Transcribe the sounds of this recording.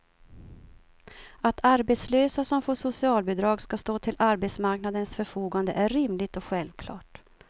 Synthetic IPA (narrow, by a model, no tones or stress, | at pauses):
at̪ʰaɾbɛt̪sløːsasɔmfoːʂʊsɪɑːlbɛd̪ɾɑːɡskast̪oːt̪ʰɪlʔaɾbɛt̪smaɾknad̪ənsfœɾfuːɡand̪əʔæɾɾɪmlɪt̪ɔɧɛlvkʰlɑ̰ːʈ